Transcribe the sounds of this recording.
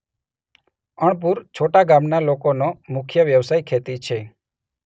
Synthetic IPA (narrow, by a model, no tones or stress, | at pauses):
əɳ̃p̬uɾt͡ʃʰoʈaɡamnalokonomʊkʰjəʋjəʋsajkʰet̪it͡ʃʰe